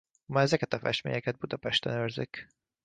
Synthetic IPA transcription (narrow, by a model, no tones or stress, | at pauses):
mɒɛzɛkɛt̪ɒfɛ̰ʃt̪mḛːjɛkɛd̪̚bud̪ɒpɛʃt̪ɛnørzik